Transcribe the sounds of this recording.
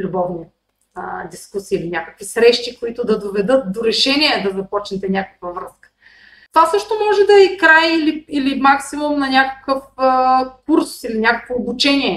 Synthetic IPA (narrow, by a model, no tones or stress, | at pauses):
lʲubɔvni | əd̪iskusiːlinʲakəkvisɾɛʃt̪ikoit̪ʊd̪ɐd̪ovɛd̪ɤt̪̚d̪oɾɛʃɛniɛd̪ɐzɐpɔt͡ʃnɛt̪ɛnʲakə̥kvɐvɾɤskə̥ | t̪ovasɤʃt̪omɔʒɛd̪ɐikɾajiliilimaksimumnɐnʲakə̥kəfəkuɾsiinɐnʲakəkvoːbut͡ʃɛnʲiɛ